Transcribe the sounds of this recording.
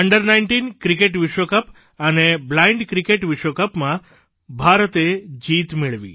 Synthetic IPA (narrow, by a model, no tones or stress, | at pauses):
əɳɖəɾnajɳʈinkɾikeʈʋiʃʋokəp | əneblaiɳɖkɾikeʈʋiʃʋokəpmã | bʱaɾət̪ed͡ʒit̪mɪɭʋḭ